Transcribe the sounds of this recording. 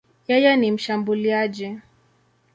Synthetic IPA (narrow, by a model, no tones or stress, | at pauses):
jɛjɛnim̩ʃambuliaʄi